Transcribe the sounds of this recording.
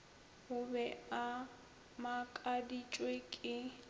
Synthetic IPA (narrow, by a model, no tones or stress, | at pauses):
ʊbɛa | makʼadit͡ʃʼwekʼɪ